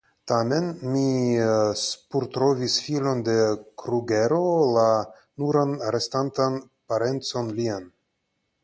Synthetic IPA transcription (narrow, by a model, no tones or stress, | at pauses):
tame̞nmi | puɾtɾo̞visfilo̞nde̞kɾuɡe̞ɾo̞la | nuɾanɾe̞stantan | paɾe̞nt͡so̞nlian